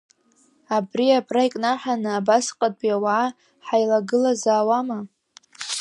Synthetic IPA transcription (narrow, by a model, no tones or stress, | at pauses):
abriapʰʼrajkʼnaħʷᶣanɨabasqʼatʼjawaʕː | ħajlaɡɨlazaːwama